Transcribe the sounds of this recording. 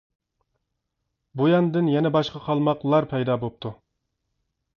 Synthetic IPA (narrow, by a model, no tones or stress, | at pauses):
bujɑnd̪ɪnjɛnɛbɑʃqɑqʰɑlˠmɑqlˠɑɾpʰɛjd̪ɑːbop̚t̪ʰu